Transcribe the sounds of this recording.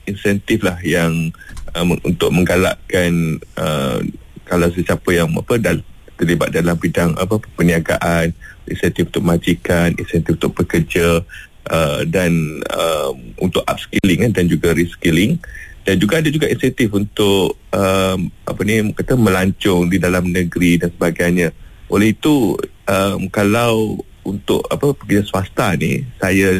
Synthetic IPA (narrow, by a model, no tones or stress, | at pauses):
insɛnt̪ɪflahjaŋəṵnt̪ʊʔ̚mə̃ŋɡala̰ʔkanə̰ | kalaws̬əsiapəjaŋa̰pəda | t̪ərliba̰t̪̚dalambidaŋa̰pəəpəniaɡa̰ʔanḭnsant̪ifunt̪ʊk̚mad͡ʒikanḭnsɛnt̪ifunt̪ʊʔ̚pəkəd͡ʒa | ʔədanə̰mṵnt̪ʊʔa̰p̚skilɪŋkandand͡ʒuɡaɾiskilɪŋd̥and͡ʒuɡaadad͡ʒuɡaʔinsɛnt̪ɪfunt̪ʊʔ | əma̰pənikat̪amə̃laɲt͡ʃʊŋdidalamnəɡɾidansəbaɡajɲaʔolɛhit̪uʔəmkalaw | unt̪ʊ̰ʔapəpəkəd͡ʒaswast̪anḭsaja